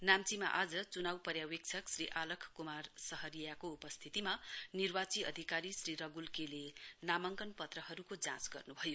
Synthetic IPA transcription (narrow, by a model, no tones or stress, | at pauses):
namt͡sima̰ʔad͡zʌt͡sunawpʌɾjawek̚t͡sʰʌksriʔalʌkʰkumarsʌɦʌɾijakoupʌst̪ʰit̪imanirbat͡siʌ̰d̪ʱikaɾisriɾʌɡulkelenamʌŋkʌnpʌt̪rʌɦʌɾukod͡zãt͡sɡʌ̰rnubʱʌjo